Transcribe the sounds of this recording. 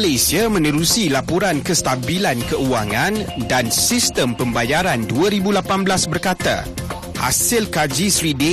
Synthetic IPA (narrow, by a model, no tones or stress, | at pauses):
lajsiamə̃nəɾusilapuɾankəst̪abilankəuwaŋãndansist̪əmpəmbajaɾanduaɾibulapanblasbərkat̪a̰ | ha̰sɪlkad͡ʒisɾide